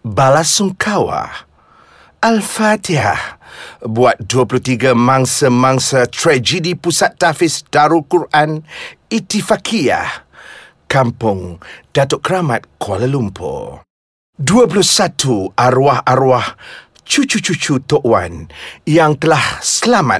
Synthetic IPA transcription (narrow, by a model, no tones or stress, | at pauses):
balasuŋkʰawa̰ | alfat̪ia̰hbuat̪̚duəpuluht̪iɡamãŋsəmãŋsat̪ɾad͡ʒidipusat̪̚ːafɪsdaɾukuɾʔan | it̪ifakʰia̰h | kampʊŋd̥at̪oʔkəɾamat̪̚kʰwaləlumpʰo̰ | duəp̬ulʊhsat̪uʔaɾuahaɾuah | t͡ʃut͡ʃut͡ʃut͡ʃut̪oʔwa̰njaŋt̪əlahsəlama̰